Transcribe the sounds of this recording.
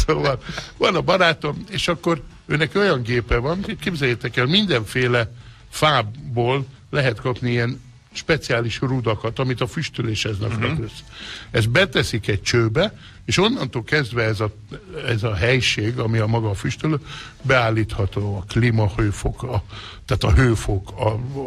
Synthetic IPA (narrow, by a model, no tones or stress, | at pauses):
soːvɒlvɒnɒbɒɾaːt̪omeːʃɒkːo̞ɾ | øːnɛkio̞jɒŋɡeːpɛvɒnet̪keːbzɛjeːt̪ɛkɛlmind̪ɛɱfeːlɛ | faːbːoːlː | ɛɦɛt̪kɒpniijɛn | ʃpɛt̪siaːliʃrud̪ɒkɒt̪ɒmit̪ɒfyʃt̪yleːʃhɛznɛknɛøsɛzbɛt̪ɛsikɛc̚t͡ʃøːbɛ | eːʃo̞nːɒnt̪oːlkɛzd̪ʋɛɛzɒ | ɛzɒɦɛjʃeːɡɒmiɒmɒɡɒfyʃt̪yløːbɛaːlːiːt̪hɒt̪oːɒklimɒhøːfokɒt̪aːt̪ɒɦøːfokʰɒ